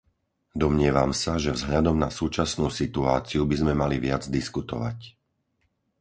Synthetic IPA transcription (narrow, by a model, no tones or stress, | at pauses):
d̪ɔmɲɪɛʋamsaʒɛvzɦʎad̪ɔmnasuːt͡ʃasnuːsit̪ua̰ːt͡siubizmɛmaliʋɪad͡zd̪iskut̪ɔ̰ʋa̰c